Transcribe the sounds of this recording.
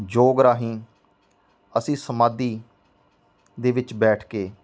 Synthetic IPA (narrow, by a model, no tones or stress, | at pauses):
d͡ʒoːɡɾaːɦĩː | əsĩːsəmaːd̪iː | d̪eːʋɪt͡ʃbɛːʈʰkeː